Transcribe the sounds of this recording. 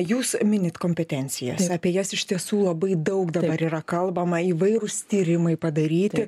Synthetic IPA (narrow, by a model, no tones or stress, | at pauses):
juːsmʲɪnʲɪt̪koːmʲpʲɛt̪ʲɛnʲt͡ssʲɪjɛ̰sɑːpʲiɛjɛsɪʃt̪ʲiɛsuːlˠɐbɐɪd̪ɐʊkd̪ɐbɐɾiːɾɐkɐlˠbɐmɐiʋɐɪɾʊst̪ʲiːɾʲɪmɐɪpɐd̪ɐɾʲiːt̪ʲɪ